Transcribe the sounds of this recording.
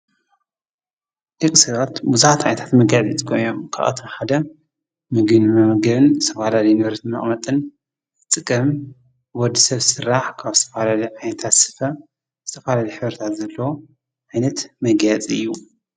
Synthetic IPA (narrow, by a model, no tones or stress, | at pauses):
ʔɨkʼsɐβat̪buzħat̪ʕajnɐt̪ʰḁt̪mɐɡjat͡sʼit͡sʼkʰojomkʰa̰ʔa̰t̪ʰomħad̪ɐ | mɨɡɨnmɐmɐɡɐβɨnɨ̥t̪ʰɐfahlalɐjnβɐɾt̪imɐ̰χʼmɐt̪ʼɨn | ɨt̪ʼɨkʼɐm | wɔd̪isɐβsɨrːaħkʰaβzɨt̪ʰɐfalalɐjʕajnɐt̪ʰat̪sɨ̥fɐ | z̥ɨt̪ʰɐfalalɐjħɨβɾɐt̪ʰat̪zɐlːɐwo | ʕajnɐt̪mɐɡjat͡sʼiɨjːu